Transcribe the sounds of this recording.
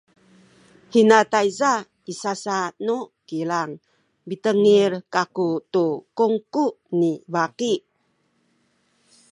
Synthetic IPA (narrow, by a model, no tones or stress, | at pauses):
hinatajza | isasanukilaŋ | bitəŋirkakutukuŋkunibaki